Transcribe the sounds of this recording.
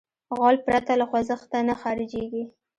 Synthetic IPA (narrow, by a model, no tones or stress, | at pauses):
ɣɑlpɾat̪alaxwazəxt̪anaxaɾɪd͡ʒeɡi